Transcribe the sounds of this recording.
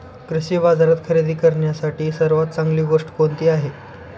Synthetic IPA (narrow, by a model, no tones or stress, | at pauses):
kɾiɕiːbad͡zaɾat̪kʰəɾid̪ʱiːkəɾɳjasaʈiːsəɾʋat̪̚t͡saŋɡliːɡoʂʈkont̪iːaɦe